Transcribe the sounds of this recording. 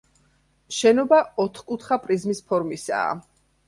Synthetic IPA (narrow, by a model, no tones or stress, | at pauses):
ʃɛnɔbaɔt̪ʰχkʼut̪ʰχapʼɾizmispʰɔɾmisa̰ː